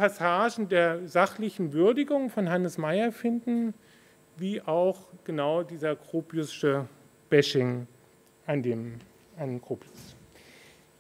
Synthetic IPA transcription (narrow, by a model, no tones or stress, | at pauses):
pasaːʒn̩deːɐzaχlɪçn̩vʏɐdɪɡʊŋfɔnɦanəsmaɪɐfɪndn̩ | viːʔaʊxɡ̥ənaʊdiːzɐkʁ̥oːpjʊsʃə | b̥ɛʃɪŋ | ʔandeːm | ankʁ̥oːpʰjʊs